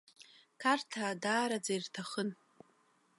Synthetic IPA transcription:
kʰartʰaːdaːɾad͡zairtʰaχən

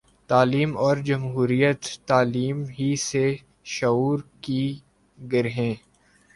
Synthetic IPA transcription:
t̪aːliːmɔːɾd͡ʒɐmɦuːɾijət̪ːaːliːmɦise | ʃɐuːɾki | ɡɪɾɦẽː

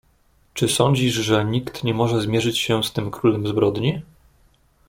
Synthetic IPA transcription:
t͡ʂɘsɔɲd͡ʑiʐʐɛɲikt̪ɲɛmɔʐɛzmʲjɛʐɘt͡ɕɕɛst̪ɘmkɾulɛmzbɾɔd̪ɲi

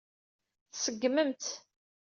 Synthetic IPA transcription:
θsəɡːməmt̪

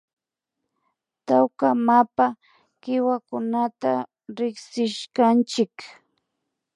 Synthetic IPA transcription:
t̪awkamapa | kɪwakʊnat̪a | ɾɪksɪʃkant͡ʃɪk

